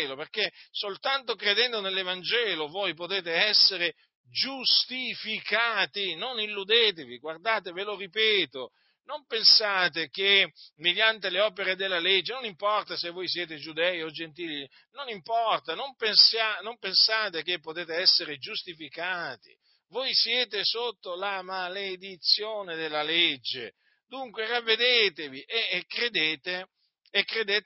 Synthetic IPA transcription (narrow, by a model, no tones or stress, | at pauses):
loperkesolt̪ant̪okɾed̪ɛnd̪onelːevand͡ʒɛːlovojpot̪eːt̪eɛsːeɾe | d͡ʒust̪ifikaːt̪inonilːud̪eːt̪eviɡward̪aːt̪eveloripeːt̪o | nompensaːt̪ekemed̪jant̪eleɔːpeɾed̪elːaled͡ʒːenonimpɔrt̪asevːojsjeːt̪ed͡ʒud̪ɛjod͡ʒent̪iːli | nonimpɔrt̪anõmpensanɔ̃mpensaːt̪ekepːot̪eːt̪eɛsːeɾed͡ʒust̪ifikaːt̪ḭ | vojsjeːt̪esot̪ːolamaled̪it̪sːjoːned̪elːaled͡ʒːe | d̪uŋkweravːed̪eːt̪eviʔekred̪eːt̪e | ekːred̪eːt̪